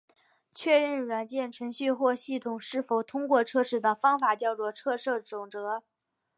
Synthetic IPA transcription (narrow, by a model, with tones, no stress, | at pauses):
t͡ɕʰɥɛ˥˧ɻə˥˩nɻwa˨˩nt͡ɕjɛ˥˩nʈ͡ʂʰɤ˧˥ŋɕy˥˧xwɔ˥˧ɕi˥˩t̪ʰʊ˨˩ŋʂɻ̩˥˩fo˨˩ʊt̪ʰʊ˥ŋkwɔ˥˧ʈ͡ʂʰɤ˥ʂɻ̩˥˩d̪ə˩fɑ˥ŋfa˨˩t͡ɕjɑ˥˧ʊʈ͡ʂwɔ˥˧ʈ͡ʂʰɤ˥˧ʂɤ˥˩ʈ͡ʂʊ˨˩ŋʈ͡ʂɤ˧˥